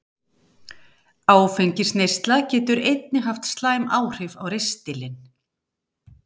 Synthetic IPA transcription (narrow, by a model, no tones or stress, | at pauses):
aːwfejɲcɪsnejst̪lacɛːt̪ʏɾejt̪nɪɦaft̪st̪laːjmaːwr̥ɪvawɾejst̪ɪlɪn